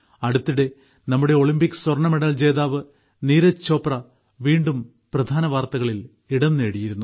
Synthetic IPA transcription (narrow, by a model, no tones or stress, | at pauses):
ɐɽut̪ːiɽe̞ | nɐmːuɽe̞o̞ɭimbikʲːɨ̥swɐrɳɐmeɽɐld͡ʑe̞ːðaːʋɨ | niːɾɐt͡ɕːo̞ːprɐ | ʋiːɳɖum | prɐd̪ʱaːnɐʋaːrt̪ɐɣɐɭil | iɽɐnːeːɽijiɾunːu